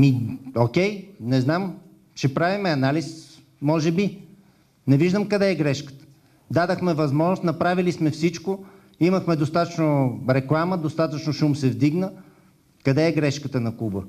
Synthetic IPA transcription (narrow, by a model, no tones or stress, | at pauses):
miokʲɛjnɛznam | ʃɛpɾavimɛɐnalis | mɔʒɛbi | nɛviʒd̪əmkɐd̪ɛːɡɾɛʃkə̥t̪ə̥ | d̪ad̪əxmɛvɐzmɔʒnost̪nɐpɾavilismɛfsit͡ʃko | iməxmɛd̪ost̪at̪ət͡ʃnoɾɛklˠaməd̪ost̪at̪ət͡ʃnoʃumsɛvd̪iɡnə | kɐd̪ɛːɡɾɛʃkət̪ənɐkubə